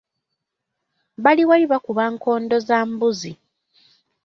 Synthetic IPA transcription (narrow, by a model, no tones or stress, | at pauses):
βaliwaliβakuβaŋkʰo̞ːndo̞zaːmbuzi